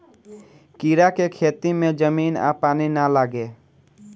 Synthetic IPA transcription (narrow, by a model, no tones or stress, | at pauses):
kiːɾakekʰeːt̪imẽd͡ʒəmiːna̰paːninaləɡe